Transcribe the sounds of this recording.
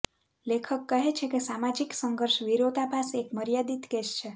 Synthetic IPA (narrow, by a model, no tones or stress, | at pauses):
lekʰəkːəɦet͡ʃʰekesamad͡ʒiksəŋɡəɾʃʋiɾot̪apasekməɾjad̪it̪keʃt͡ʃʰe